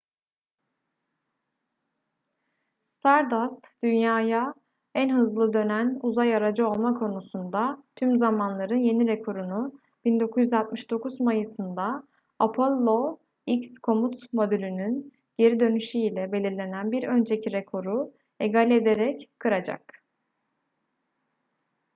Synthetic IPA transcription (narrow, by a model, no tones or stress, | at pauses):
st̪ʰaɾd̪ast̪d̪̥ynjaːja | ænɦɯzlˠɯd̪ø̞nænuzajaɾad͡ʒɯo̞lˠmakʰo̞nusund̪at̪ʰymzamanlˠaɾɯnje̞niɾekʰo̞ɾunu | b̥ind̪o̞kʰuzjyzalˠt̪̚mɯʃd̪o̞kʰuzmajɯsɯnd̪aː | pʰolˠːo̞ | icskʰo̞mut̪mo̞d̪ylʲynyn | ɟe̞ɾid̪ø̞nyʃyilʲɛbe̞lʲiɾlʲe̞nænbiɾø̞nd͡ʒe̞cʰiɾekʰo̞ɾu | eɡalʲɛed̪eɾɛckʰːɯɾad͡ʒa̰k̚